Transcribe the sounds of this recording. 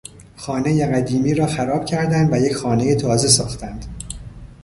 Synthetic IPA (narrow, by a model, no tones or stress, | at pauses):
xɒːne̞jeɣæd̪iːmiːɾɒːxæɾɒːb̥cʰæɾd̪ænd̪væje̞cʰxɒːne̞jet̪ʰɒːze̞sɒːxt̪ʰænd̪̥